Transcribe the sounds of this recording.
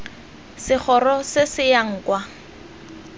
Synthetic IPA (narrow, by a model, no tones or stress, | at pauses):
sɪχʰɔrɔsɪsɪjaŋ̩ːkwa